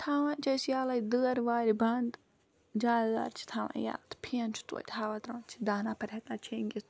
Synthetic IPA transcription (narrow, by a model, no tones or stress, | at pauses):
t̪ʰaːʋãt͡ʃɐsjaːlɐjd̪əːɐɾʋaːɾibɐnd̪ | d͡ʒaːlza̰ːɾt͡ʃʰi̥t̪ʰaːʋã̰ʔja̰ːlt̪ʰpʰiɐnt͡ʃʰu̥t̪ṵt̪ʲʰhaːʋat̪ɾɐːnt͡ʃʰi̥d̪aːnaːpʰɐɾʲet̪at͡ʃʰeːŋɡʲit̪